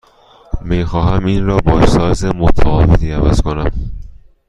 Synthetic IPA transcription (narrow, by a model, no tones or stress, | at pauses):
miːxɒːɦæmiːnɾɒːbɒːsɒːzemot̪ʰæɒːvet̪ʰiːævæ̰z̥kʰonæm